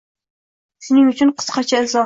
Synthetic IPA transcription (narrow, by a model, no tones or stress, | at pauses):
sɪnɪŋyt͡ʃʰynqʰə̥sqɑt͡ʃʰɛɪlzɑ